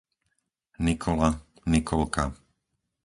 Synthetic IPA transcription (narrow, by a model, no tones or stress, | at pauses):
nikʰɔla | nikʰɔlka